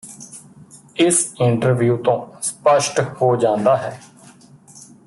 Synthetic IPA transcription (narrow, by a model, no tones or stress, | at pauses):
ɪsɪɳʈəɾʋjuːt̪õːspəʃʈhoːd͡ʒãːnd̪aːɦɛː